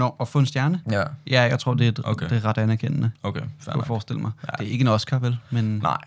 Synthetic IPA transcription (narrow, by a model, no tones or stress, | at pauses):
nɒɒfɔ̰̽ːe̝nsd̥jæɐnəjæjɑ̈ɪt͡sʰʁo̝ɐ̰d̥e̝æ̥deʁɑ̈d̥ænæɐkʰen̰nəokʰefɒːsd̥e̝l̰əmɑ̈ɪd̥eɐe̝ɡ̥ənɒ̽sɡ̥ɐʋelmena̰ɪ̰